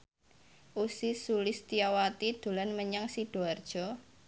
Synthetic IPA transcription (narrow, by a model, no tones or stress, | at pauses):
ʔusisulɪst̪iawat̪id̪̥ṳlanməɲaŋsiɖ̥oard̥ʒ̥ɔ̤